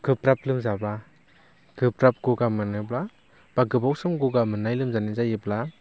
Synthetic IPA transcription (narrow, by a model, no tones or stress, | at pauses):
ɡ̥ɯpɾap̚lɯmzaba | ɡ̥ɯpɾap̚ɡ̥uɡamɯnɯbla | b̥aɡɯbawsɯmɡuɡamɯnajlɯmzanizajɯbla